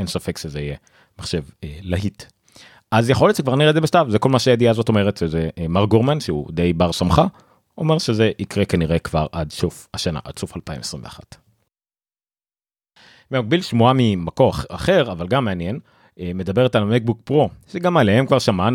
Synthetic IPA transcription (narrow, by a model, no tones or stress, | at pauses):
ensafe̞kʃezeije | maχʃe̞velaɦit | ʔazjeχo̞letʃekvaʁniʁed̪zebeʃtavzekolmaʃejed̪iazo̞to̞me̞ʁetʃezemaʁɡoʁmanʃeṵd̪e̞jbaʁsamχa | o̞me̞ʁʃeze̞ʔikʁekaniʁe̞kvaʁʔad̪ʃufaʃana̰ʔa̰d̪̥sufalpaḭmesʁimveaχa̰t | memaɡ̚bilʃmuamimakoaχe̞ʁavalɡamːeanjen | eme̞d̪abe̞ʁetalmek̚buk̚pʁo̞ʃeɡamalehe̞mkvaʁʃaman